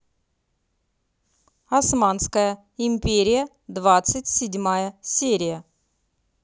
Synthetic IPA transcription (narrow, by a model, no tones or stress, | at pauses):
ɐsmanskəjə | ɪmʲpʲeɾʲɪjə | d̪vat̪sɨtʲsʲɪdʲmajəsʲeɾʲɪjə